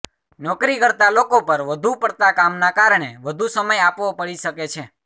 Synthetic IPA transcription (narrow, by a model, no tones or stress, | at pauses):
nɔkɾikəɾt̪alokopəɾʋəd̪ʱupəɽt̪akamnakaɾɳ̃eʋəd̪ʱusəməjapʋopəɭiʃəket͡ʃʰe